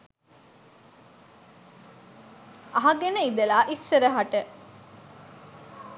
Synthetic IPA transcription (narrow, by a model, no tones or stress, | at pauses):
ɐɦɐɡeneid̪elaːʔisːeɾəɦaʈə